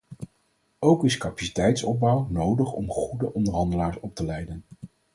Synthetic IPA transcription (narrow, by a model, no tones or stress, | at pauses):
owkɪskɑpḁsi̥tɛjtsɔb̚bʌwnowdəχɔ̰mχudəʔɔndəɹɦɑndəlaːɹsɔp̚təlɛjdən